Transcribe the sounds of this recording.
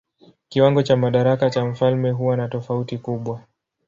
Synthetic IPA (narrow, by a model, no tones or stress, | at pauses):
kiwaŋɡɔt͡ʃamaɗaɾakat͡ʃam̩falmɛɦuwanatɔfautikuɓwa